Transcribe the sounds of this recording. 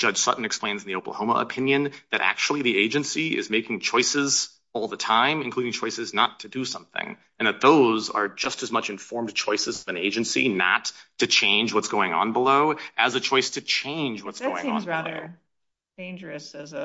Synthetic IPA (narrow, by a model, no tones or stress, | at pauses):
d̥ʒ̥ʌd̥ʒ̥sʌ̰ʔn̩ɨkspl̥ẽɪ̃nzn̩ðioʊpl̩ˠhõʊmə̰ʔə̰pʰɪ̃njɨ̃nðɨɾʔæ̰k̚t͡ʃul̩ˠiðieɪd͡ʒɨ̃nsiɪ̰zmeɪkɪ̃ŋt͡ʃʰɔɪsɪz | ɔlˠðətʰãɪ̃mɨ̃nkʰl̥uɾɪ̃ŋt͡ʃʰɔɪsɨznətʰɨdɨsʌ̃mθɪ̰̃ŋ | ɨ̃nðɨt̪̚ðoʊzə̰˞d͡ʒʌstɨzmʌt͡ʃɨ̃ɱfɔɹmt͡ʃʰɔɪsɨzʌvɨ̃neɪd͡ʒɨ̃nsḭnə̰tʰɨt͡ʃʰẽɪ̃nd͡ʒwʌtsɡ̥oʊɪ̃ŋə̰̃nbəloʊʔɨzɨt͡ʃʰɔɪstʰɨt͡ʃʰẽɪ̃nd͡ʒwʌtsɡ̥oʊɪ̃ŋə̰̃nlo̰ʊ | d̥ẽɪ̃nd͡ʒə˞ɨsɪ